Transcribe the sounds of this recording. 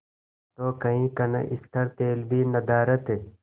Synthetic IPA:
t̪oːkɐɦĩːkɐnɐ̰ʔɪst̪ʰɐɾt̪eːlbʱiːnɐd̪aːɾɐt̪ɦe

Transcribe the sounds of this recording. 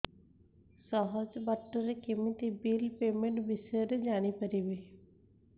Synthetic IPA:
sɔɦəd͡ʒbəʈːəɾekɪmət̪ibiːlpeːmẽɳʈbɪseɾed͡ʒaːñipəɾiːbiː

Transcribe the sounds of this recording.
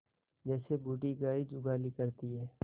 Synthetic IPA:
d͡ʒɛːsebuːɖiɡaːid͡ʒʊɡaːlikɐɾt̪iɦɛː

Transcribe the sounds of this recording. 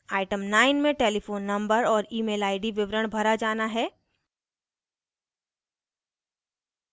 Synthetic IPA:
aːɪʈəmnaːɪnmẽʈeːlifoːnːɐ̃mbəɾɔːɾiːmeːlaːɪɖiʋɪʋɾəɽ̃bʱɐɾad͡ʒaːnaɦɛː

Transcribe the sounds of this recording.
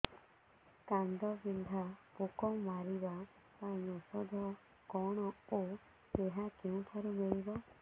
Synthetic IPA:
kand̪ɔbind̪ʱapukɔŋmaɾiba | paĩɔsɔd̪ʱɔ | kɔɽ̃ɔo | eɦakeũʈʰaɾumeɭibɔ

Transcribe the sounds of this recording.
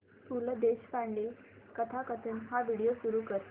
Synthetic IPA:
p̪uləd̪eɕfaɳɖiːl | kət̪ʰakət̪ʰənɦaʋiɽijosuɾukəɾt̪

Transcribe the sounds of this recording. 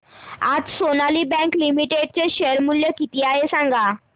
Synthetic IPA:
a̰d͡zsonaliːbɛ̃ŋklimiʈeɖ̚t͡ɕeɕeɾmuljəkit̪iːaɦesãŋɡa

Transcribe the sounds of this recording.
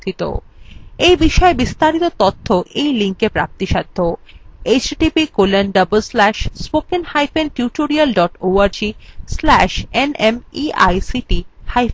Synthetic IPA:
it̪o̰ejbiʃɔebist̪aɾit̪ot̪ot̪ʰːoʔejliŋkepɾa̰p̚t̪iʃad̪ʱːoet͡ɕʈipikolenɖʌbəlslæʃspokenhajfenʈjuʈoɾialɖɔʈoaɾd͡ʑislæʃenemia̰jsiʈihajf

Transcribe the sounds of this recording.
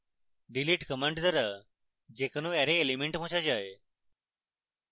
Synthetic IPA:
ɖiliːʈkəməɳʈt̪əɾə | d͡ʒeːkənũːeːɾeelimẽɳʈmõːt͡ʃʰad͡ʒaːe

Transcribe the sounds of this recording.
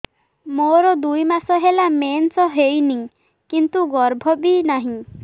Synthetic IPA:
moɾɔd̪ujmasɔɦelamensɔɦejniŋ | kint̪uɡɔɾbʱɔbinaɦĩ

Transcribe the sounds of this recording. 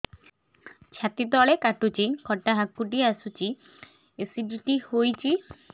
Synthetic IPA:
t͡ɕʰat̪id̪ɔɭekaʈut͡ɕikʰɔʈːaɦakːuʈiasut͡ɕi | esiɖiʈihojt͡ɕi

